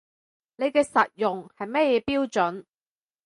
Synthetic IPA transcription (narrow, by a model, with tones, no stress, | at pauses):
ne˨˧jkɛː˧sɐ˨t̚jʊ˨ŋhɐ˨jmɛː˥jɛː˨˧piː˥wt͡ʃɵ˨˥n